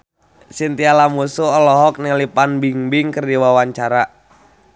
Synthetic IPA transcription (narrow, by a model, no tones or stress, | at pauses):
sint̪ialamusuɔlɔɦɔk̚niŋlipanbiŋbiŋkərdiwawaɲt͡ʃaɾa